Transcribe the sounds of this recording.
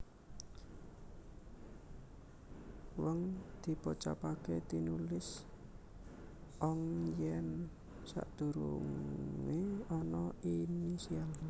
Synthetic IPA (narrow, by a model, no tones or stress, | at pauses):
wəŋd̪̥i̤pɔt͡ʃa̰paket̪inulɪs | ʔɔŋjɛn | sa̰ʔd̪̥ṳɾṵŋeɔnɔinisial